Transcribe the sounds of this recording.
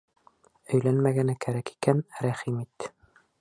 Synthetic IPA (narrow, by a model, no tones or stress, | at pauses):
ɵ̆jlænmæɡænækæɾæki̥kænɾæχimit̪ːɘ̥